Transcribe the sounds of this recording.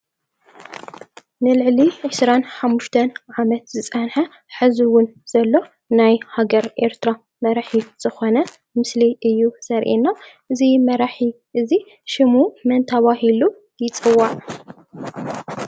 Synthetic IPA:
nɨlɨʕliʕɨsɾanħamːuʃt̪ʰɐnʕamɐt̪zɨt͡sʼɐnħɐ | ħɨziwʊnz̥ɐlːo̞ | najhaɡɐɾʔe̞ɾt̪ʰɾa | mɐɾaħiz̥ɨxo̞nɐ | mɨsliʔɨjːusɐɾʔinːaʔɨzimɐɾaħi | ʔɨzi | ʃɪmumɐnt̪ʰɐβahilu | jɪt͡sʼɨwːaʕ

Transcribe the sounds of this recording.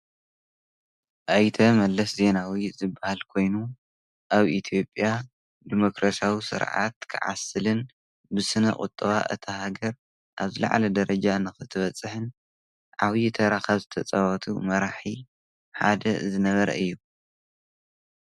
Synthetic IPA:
ʔajt̪ʰɐmɐlːɐsze̞nawizɨbːahalkʰo̞jnu | ʔaβʔit̪ʰijo̞pʼja | d̪imo̞kɾasjawisɨ̰ɾʕa̰t̪kʰɨʕa̰sɨlɨn | bɨsɨnɐ̰kʼʊ̰t̪ʼːɐβa̰ʔɨ̰t̪ʰɐhaɡɐɾ | ʔaβzɨla̰ʕlɐd̪ɐɾɐd͡ʒanɨxɨt̪ʰɨβɐt͡sʼːɨħɨn | ʕaβit̪ʰɐɾaxaβzɨt̪ʰɐt͡sʼɐwɐt̪ʰumɐɾaħi | ħa̰d̪ɐzɨnɐβɐɾɐ̰ʔɨjːu

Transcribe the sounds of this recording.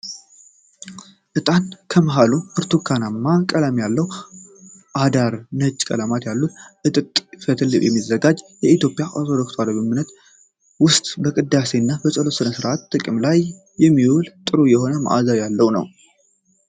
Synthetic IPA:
ʔɨt̪ʼankʰəməɦaluʔɨɾt̪ʰukʰːanamːakʼəlamjalːəw | ʔad̪aɾnəd͡ʒkʼə̰lamat̪jalːut̪ʔɨt̪ʼɨt̪ʼfət̪ʰɨlːɨʔjɛmːizːəɡad͡ʒjɛit̪jo̞pʼjaʔoɾt̪ʰod̪okt̪ʰwaləβɨmɨnət̪ | wʊst̪ʼbəkʼɨd̪ːase̞nːabəsʼəlosɨnəsɨɾʔat̪ːʼɨkʼɨmlajː | ɛmːiwult̪ʼɨɾujɛho̞nəma̰ʔa̰zajalːəwnə̰w

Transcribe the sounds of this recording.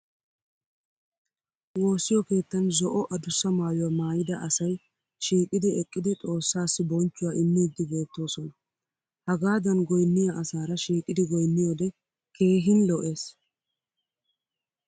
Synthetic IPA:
wo̞ːsːɪjɔke̞ːt̪ːɐnzɔʔɔʔɐd̪ʊsːɐmaːjʊwɐmaːjɪd̪ɐʔɐsɐj | ʃiːkʼɪd̪ɪɛkʼːɪd̪ɪt̪ʼo̞ːsːaːsːɪbɔnt͡ʃːʊwaːʔɪnːid̪ːɪbe̞ːt̪ːo̞ːsɔnɐ | hɐɡaːd̪ɐnɡɔjnːɪjaʔɐsaːɾɐʃiːkʼːɪd̪ɪɡɔjnːɪjod̪ɛ | kʰe̞ːɦɪnlɔʔe̞ːs

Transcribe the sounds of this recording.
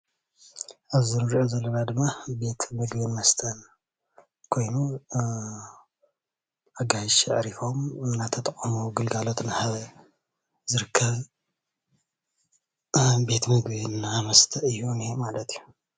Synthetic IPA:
ʔaβziɾɨɾʕozɐlːɐnad̪ɨmːabe̞t̪mɨɡbinmɐst̪ʰɐn | kʰo̞jnu | ʔaɡajiʃɛʕɾifo̞mɨnːat̪ʰɐt̪ʼɐχʼɐmuɡɨlɡalo̞t̪nhaβɐ | zɨɾɨkʰːɐβ | be̞t̪mɨɡβinːamɐst̪ʰɐʔɨjːunimalɐt̪ʰijːu

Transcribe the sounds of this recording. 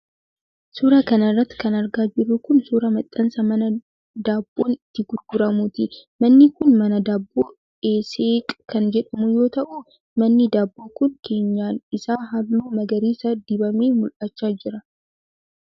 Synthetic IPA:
suːɾɐkɐnɐrːɐt̪ːɪ̥kɐnɐɾɡaːd͡ʒɪɾʊkʊnsuːɾɐmɐt̪ʼːɐnsɐmɐnɐ | d̪aːbːoːnɪt̪ːɪɡʊdɡʊɾɐmʊt̪ɪmɐnːɪkʊnmɐnɐd̪aːbːoː | eːseːkʼkɐnd͡ʒɛᶑɐmʊjo̞ːt̪ɐʔu | mɐnːɪd̪aːbːoːkʊŋkʰe̞ːɲːaːnɪsaːɦɐlːuːmɐɡɐɾiːsɐd̪ɪbɐmeːmʊlʔɐt͡ʃːaːd͡ʒɪɾɐ

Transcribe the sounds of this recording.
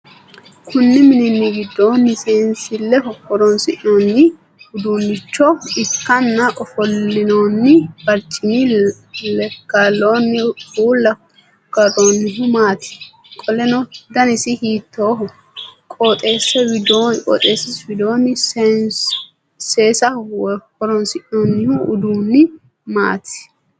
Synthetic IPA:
kʰʊnːɪmɪnɪnːɪɡɪd̪ːoːnːɪseːnsɪlːɛhɔkːɔɾɔnsɪʔnoːnːɪ | hʊd̪unːɪt͡ʃːɔɪkːɐnːɐʔʼɔfɔlːɪnoːnːɪbɐɾt͡ʃʼɪnɪ | lɛɡ̥alːoːnːɪfuːlːɐ | ɡ̥ɐɾonːɪɦʊmaːt̪ɪ̥ | kʼɔlɛnɔd̪ɐnɪsɪhiːt̪ːoːɦʊ | kʼoːt̪ʼe̞ːsɛwɪd̪okʼɔ̰ːt̪ʼeːsɪswɪd̪oːnːɪ | seːsɐhɔɾɔnsɪʔonːɪhʊʔʊd̪uːnːɪ | ma̰ːt̪ɪ̥

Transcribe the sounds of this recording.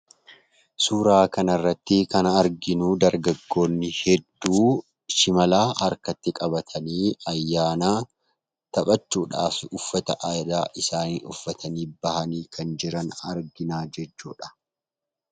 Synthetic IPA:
suːɾaːkɐnɐrːɐt̪ːɪkɐnɐːɾɡɪnuːd̪ɐɾɡɐɡːo̞ːnːɪhɛd̪ːuː | ʃɪmɐlaːhɐɾkɐt̪ːɪkʼɐbɐt̪ʰɐniːɐjːaːnaː | t̪ɐɓʼɐt͡ʃːuːᶑa̰ːfʊfːɐt̪ɐʔaːjd̪aːʔɪsaːnḭːʊfːɐt̪ʰɐniːbɐhɐniːkʰɐnd͡ʒɪɾɐnɐɾɡɪnaːd͡ʒɛt͡ʃːṵːᶑɐ̥

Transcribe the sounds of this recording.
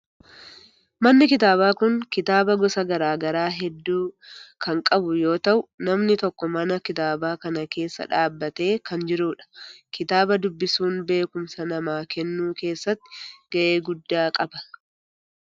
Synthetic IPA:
mɐnːɪkɪt̪aːβaːkʊŋkɪt̪aːbɐɡɔsɐɡɐɾaːɡɐɾaːɦɛd̪ːuːkʰɐŋkʼɐbʊjo̞ːt̪ɐʔʊnɐmnɪt̪ɔkːɔmɐnɐkɪt̪aːbaːkɐnɐke̞ːsːɐ̰ᶑaːbːɐt̪e̞ːkɐnd͡ʒɪɾuːᶑɐ̥kɪt̪aːbɐd̪ʊbːɪsuːnbe̞ːkʊmsɐnɐmaːkɛnːuːke̞ːsːɐt̪ːɪ̥ɡ̥ɐʔe̞ːɡʊd̪ːaːkʼɐbɐ̥

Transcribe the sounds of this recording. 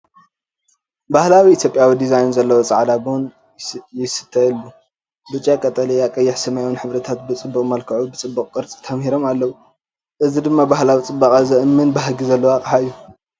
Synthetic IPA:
bahlawiit̪ʰjo̞pʼjawid̪izajnzɐlːɐwo̞t͡sʼaʕd̪abɨun | jɪsɨ̥t̪ʰːɐilːu | bɨt͡ʃʼːjakʼɐt̪ʼɐlejakʼɐjːɪħsɐmajnħɨβɾɐt̪ʰat̪bɨt͡sʼɨbːukʼmɐlkʰɐʕubɨt͡sʼɨbːukʼkʼɨɾt͡sʼi̥t̪ʰɐmhiɾo̞malːɐwu | ʔɨzid̪ɨmːabahlawit͡sʼɨbːakʼazɐʔɨmːɨnbahɡizɐlːɐwakʼħaɨjːu

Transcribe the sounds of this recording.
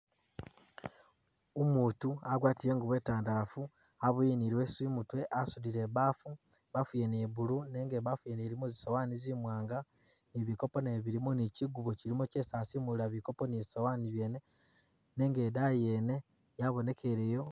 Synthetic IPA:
omuːtuaɡwaːtiɾe̞ːŋɡuβwe̞ːtaːndaɾafu | aβujiniɾiweswimutwe̞ʔasudiɾe̞βaːfu | βafujeneβuɾuneːŋɡeβafujeneɾimozisawanizimwaːŋɡa | niβiko̞po̞neβiɾimoniciɡuβociɾimocesaːsimulaβiko̞po̞nizi̥sawaniβje̞ːne | ne̞ːŋɡedajene̞ | jaβo̞ne̞ke̞ɾejo̞

